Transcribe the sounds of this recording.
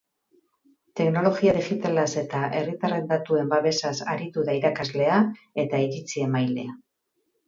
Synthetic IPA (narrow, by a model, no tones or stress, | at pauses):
t̪e̞kno̞lo̞ɣiaðixit̪alase̞t̪aʔe̞rit̪are̞nd̪at̪ue̞mbaβe̞sasa̰ɾit̪uðaiɾakazle̞ae̞t̪aiɾit͡sie̞majle̞a